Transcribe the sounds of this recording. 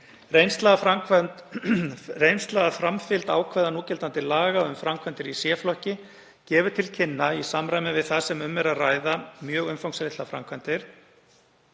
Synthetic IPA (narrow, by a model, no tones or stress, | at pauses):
rejnst̪laɣafak | rejnst̪laɣafɾamfɪlt̪a̰ːwkʰvɛðanuːcɛlt̪ant̪ɪlaːɣaʏmfɾamkʰvant̪ɪɾisjɛflɔhcɪ | cɛːvʏɾ̥t̪ʰɪlcʰɪnːaisamɾajmɪvɪðθasɛmʏmːɛɾaðrajðamjœːɣʏmfawŋksɾejt̪afɾa̰mkʰvant̪ɪɾ̥